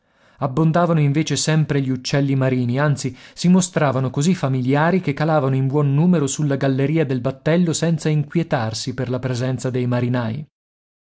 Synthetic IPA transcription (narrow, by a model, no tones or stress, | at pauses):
abːond̪aːvanoiɱveːt͡ʃesɛmpɾeʎiut͡ʃːɛlːimaɾiːniant̪sisimost̪ɾaːvanokozifamiljaːɾik̟ekːalaːvanoimbwɔnːuːmeɾosulːaɡalːeɾiːad̪elbat̪ːɛlːosɛnt̪saiŋkwjet̪arsiperlapɾezɛnt̪sad̪ejmaɾinaːj